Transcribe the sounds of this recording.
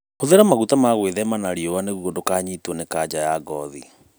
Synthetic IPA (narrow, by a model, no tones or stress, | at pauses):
hoðeɾamaɣutamaɣweðɛmanaɾiɔwaneɣuodokaːɲiːtwɔnekad͡ʒajaɡɔðḭ